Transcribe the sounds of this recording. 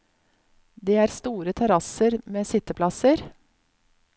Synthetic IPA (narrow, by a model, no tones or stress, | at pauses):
d̪eːæːɾst̪uːɾət̪ʰɛɾɑsəɾmeːsɪt̪əpʰlɑsəɾ